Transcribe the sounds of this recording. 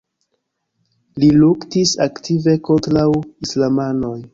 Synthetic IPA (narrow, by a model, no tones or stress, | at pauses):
liluktisaktive̞ko̞ntɾawislamano̞j